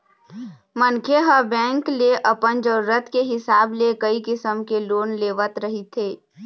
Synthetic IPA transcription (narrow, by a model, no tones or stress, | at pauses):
mənkʰeɦəbɛ̃ːŋkleʔəpənd͡ʒəɾɾət̪ʰkeɦɪsaːblekəikɪsəmkeloːnleːʋət̪ɾəɦit̪ʰeː